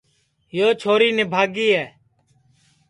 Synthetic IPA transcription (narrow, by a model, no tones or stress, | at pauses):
joːt͡ʃʰoːɾiːneːbʱaːɡiːɛː